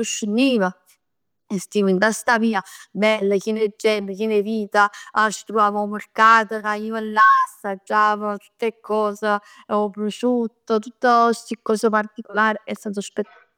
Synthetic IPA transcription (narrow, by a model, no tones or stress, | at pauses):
uʃːunːiːva | est̪iːvint̪ast̪aviːabɛlːakined͡ʒːɛməkineviːt̪aat͡ʃːi̥t̪ɾovaːvaumorkaːt̪əkaiːoelːasad͡ʒːaːvot̪u̥t̪ːekʰːɔːza | opːɾoʃut̪ːot̪ut̪ːost̪ikːɔːsapart̪ikolaːɾeɛst̪aːt̪̬ospet̪ː